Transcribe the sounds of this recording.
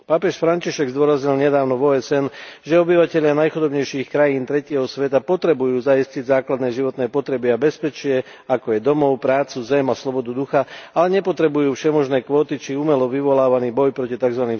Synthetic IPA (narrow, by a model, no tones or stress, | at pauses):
papɛʃfɾaɲciʃɛɡzd̪ʊɔɾazɲilɲɛd̪aːʊnɔvɔːɛsɛnʒɛɔbiʋacɛʎɪanajxud̪ɔbɲɛjʃiːxkɾajiːnt̪ɾɛcɪɛɦɔsʋɛt̪apɔt̪ɾɛbujuːzaisciɟzaːklad̪nɛːʒiʋɔt̪nɛːpɔt̪ɾɛbiabɛspɛt͡ʃɪɛ | akɔjɛd̪ɔmɔʊpɾaːt͡suzɛmaslɔbɔd̪ud̪uxaalɛɲɛpɔt̪ɾɛbujuːfʃɛmɔʒnɛːkʋɔːt̪it͡ʃiuːmɛlɔʋiʋɔlaːʋaniːbɔjpɾɔcit̪aɡzʋaniːm